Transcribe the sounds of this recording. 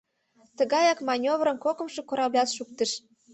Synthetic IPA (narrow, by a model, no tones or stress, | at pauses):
t̪əɣɑjɑkmɑnʲovɾə̆nkokɤ̆mʃĕkoɾɑblʲɑt̪ʃuk̚t̪ə̆ʃ